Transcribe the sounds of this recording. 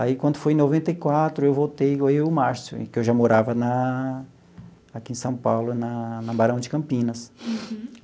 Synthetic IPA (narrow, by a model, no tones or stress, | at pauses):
aikwɐ̃nd̪ʊfoj̃novẽnt̪ɐjkwat̪ɾʊewvowt̪ejɡoejʊmaɾsjʊ̰ḛ̃kɪewʒamoɾavɐnɐ | akiẽsɐ̃w̃pawlʊnɐnɐbaɾɐ̃w̃d͡ʒɪkɐ̃mpĩnɐs